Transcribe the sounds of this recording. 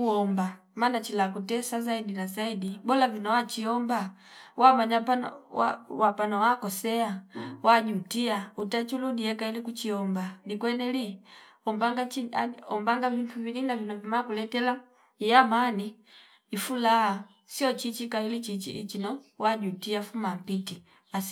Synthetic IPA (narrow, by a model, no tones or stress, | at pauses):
uɔmba | manat͡ʃilakutɛsazaidinazaidibɔlavinɔwat͡ʃiɔmba | wamaɲapan̰a̰wapanɔwakɔsɛawaɟutiautat͡ʃuludiɛkailikut͡ʃiɔmbanikwɛnɛli | ɔmbaŋɡaiaɔmbaŋɡavintʰuvilinavinɔvimakulɛtɛla | ijamaniː | fulaha | siɔt͡ʃit͡ʃikailit͡ʃit͡ʃḭʔḭt͡ʃinɔwaɟutiafumam̩piti | as